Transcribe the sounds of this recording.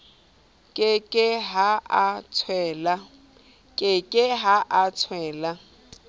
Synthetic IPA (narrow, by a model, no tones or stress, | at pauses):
kʼɪkʼɪɦaat͡sʰwɛːla | kʼɪkʼɪɦaʔat͡sʰwɛːla